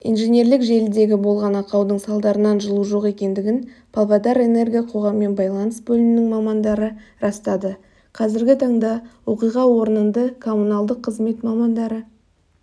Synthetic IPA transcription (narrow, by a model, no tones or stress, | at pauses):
ḭjnʒenʲe̞ɾlɪkʒe̞lɪd̪e̞ɡʲɪbo̞lˠʁɑnɑqɑwd̪əɴsɑlˠd̪ɑɾənɑnʒəlˠuʒo̞qe̞kʲe̞nd̪ɪɡʲɪnpʰalˠvɑd̪ɑɾe̞ne̞rɡʲijɑqʰo̞ʁɑmːe̞nbɑjlˠɑnəsbɵlɪnɪnɪŋmɑmɑnd̪ɑɾəɾɑst̪ɑd̪ə | qʰɑzɪɾɡʲɪt̪ʰɑɴd̪ɑwo̞qijʁɑwo̞ɾənənd̪əkʰo̞mːunɑlˠd̪əqʰːəzme̞t̪mɑmɑnd̪ɑɾə